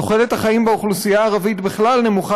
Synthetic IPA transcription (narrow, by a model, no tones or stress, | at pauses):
oχele̞thaχaimbeoχlusijaːʁavit̪biχlalne̞muχa